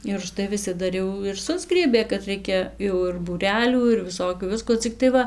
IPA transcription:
ɪr ʊʃˈtɐɪ ʋʲɪˈsʲɪ ˈdɐr jɛʊ ɪr ˈsʊzɡrʲiɛbʲeː kɐt ˈrɐɪkʲɛ jɛʊ ɪr buːˈrʲæːlʲuː ɪr ʋʲɪˈsoːkʲuː ˈʋʲɪskoː ˈt͡sʲɪktɐɪ ˈʋɐ

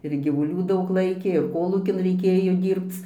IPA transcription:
ɪr ɡʲiːʋʊˈlʲuː ˈdɐʊk ˈlˠɐɪkʲeː ɪr ˈkoːlˠuːkʲɪn rʲɛɪˈkʲeːjoː ˈdʲiːrpt͡s

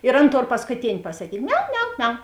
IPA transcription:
ɪr ˈɐn ˈtoːr pɐskʊˈtʲeːnʲ pɐsɐkʲiːtʲ ˈmʲɛʊ ˈmʲɛʊ ˈmʲɛʊ

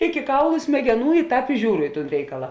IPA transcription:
ɪkʲɪ ˈkɐʊlˠʊ sʲmʲɛɡʲɛˈnuː ɪ ˈtɑːp ɪ ˈʒʲuːrʊ ɪ ˈtuːn ˈrʲɛɪkɐlˠɐ

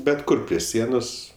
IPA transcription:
bʲɛt ˈkʊr pʲrʲiɛ ˈsʲiɛnoːs

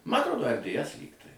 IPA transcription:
ˈmɐ ɐtˈroːdoː ɛr dʲeːˈɛs ˈlʲiːktɐɪ

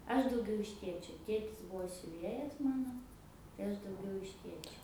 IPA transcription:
ˈɐʃ dɐʊˈɡʲɛʊ ɪʃ ˈtʲeːt͡ʃʲoː ˈtʲeːtʲɪs ˈbʊʋoː sʲʊˈʋʲeːjɛs ˈmɑːnoː tɐɪ ˈɐʃ dɐʊˈɡʲɛʊ ɪʃ ˈtʲeːt͡ʃʲoː

